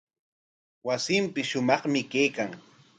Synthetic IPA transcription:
wasɪmpɪʃʊmɑχmɪkejkaŋ

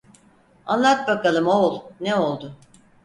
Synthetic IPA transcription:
a̰nlˠat̪̚bakalˠɯmolˠneo̞lˠd̪ʊ

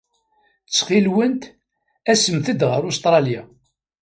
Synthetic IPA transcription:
t͡sːχilwənt̪ | æsəmθəd̪ʁəɾʊst̪ɾˤɑlja

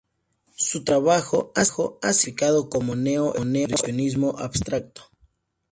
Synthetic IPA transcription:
sut̪ɾaβaxoaxoasifikaðokomoneoʔoneɾeoʔonizmoʔabst̪ɾak̚t̪o̥

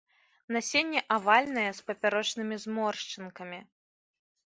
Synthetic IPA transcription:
nasʲenʲːɛʔavalʲnɐjɛspɐpʲaɾɔt͡ʂnɨmʲizmɔrʂt͡ʂɨnkɐmʲi

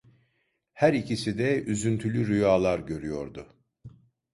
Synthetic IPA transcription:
hæɾicisid̪ɛyzynt̪ʰylʲyɾyjaːlˠaɾɟø̞ɾyjo̞ɾd̪ʊ

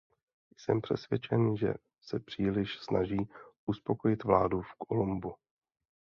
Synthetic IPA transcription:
jsɛmpr̝̥ɛsvjɛt͡ʃɛnʒɛ̰ | sɛpr̝̥iːlɪʃsnaʒiːʔuspo̞ko̞jɪt̪vlaːdufkolumbu

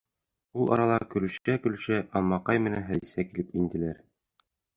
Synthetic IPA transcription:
ulˠʔɑ̰ɾɑlˠɑkɵ̆lɵ̆ʃækɵ̆l̆ʃæʔɑmːɑqɑjmɘ̆nænɦæzisækilɘpind̪ɘ̆læɾ

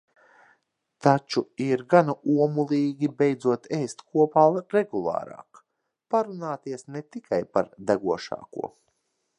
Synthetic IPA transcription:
t̪at͡ʃuiɾɡanauɔmulˠiːɡʲibɛjd̪zuɔt̪ɛjst̪kuɔpaːlɾeɡulˠɑ̰ːɾa̰ːk | paɾunaːt̪iɛsnet̪ikʰajpaɾd̪aɡuɔʃa̰ːkṵɔ

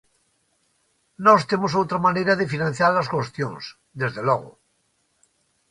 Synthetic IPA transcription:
nost̪emosowt̪ɾamaneɾaðefinãn̟θjaɾlaskwost̪jõŋs | d̪ezðeloɣo̰

